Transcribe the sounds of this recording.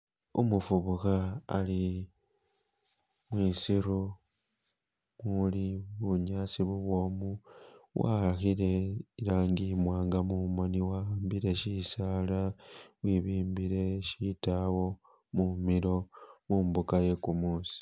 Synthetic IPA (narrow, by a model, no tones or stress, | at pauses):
ṵmufuβuxa̰ːli | mwisiɾu | muliβuɲaːsiβuβwo̞ːmuwʔa̰axile̞iɾaːŋɡimwaːŋɡamumoniwaaːmbiɾe̞ʃisaːlawiβiːmbiɾe̞ʃitawo̞ | mumilo̞muːmbukaje̞kumuːsi̥